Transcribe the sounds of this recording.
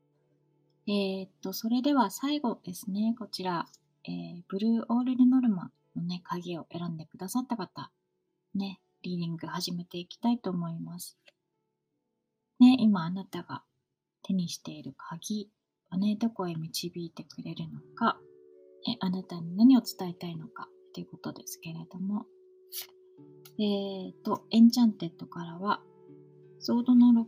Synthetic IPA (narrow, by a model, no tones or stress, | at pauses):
e̞t̪ːo̞so̞ɾe̞d̪e̞β̞asaiɡo̞d̪̥e̞sɨne̞ko̞t͡ɕiɾa | eːb̥ɯ̟ɾɯ̟ːʔo̞ːɾɯ̟ɾɯ̟no̞ɾɯ̟ma̰ | no̞ne̞kʰaɡʲio̞ʔe̞ɾãnd̪e̞kɯ̟d̪asat̪ːakat̪a | ne̞ | ɾʲiːɾʲĩŋɡɯ̟haʑime̞t̪e̞ikʲi̥t̪ait̪o̞ːmo̞imasɨ̥ | ne̞ʔimaːnat̪aɡ̥a̰ | t̪e̞ɲ̟iɕi̥t̪e̞iɾɯ̟kʰaɡʲi | βane̞d̪o̞ko̞emʲit͡ɕibʲiːt̪e̞kɯ̟ɾe̞ɾɯ̟no̞ka | ḛʔanat̪aɲ̟inaɲ̟io̞t͡sɨ̥t̪ae̞t̪aino̞kḁt̪ːe̞jɯ̟ko̞̥t̪o̞d̪e̞sɨ̥ke̞ɾe̞d̪̥o̞mo̞ | eːt̪ːo̞ẽ̞ɲ̟t͡ɕãnt̪e̞t̪ːo̞kaɾaβa | so̞ːd̪o̞noɾo